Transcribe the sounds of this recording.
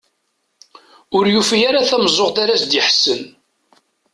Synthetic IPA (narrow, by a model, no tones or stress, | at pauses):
ʊɾjufijaɾaθæmzˤoʁt̪aɾæsd̪jɪħsən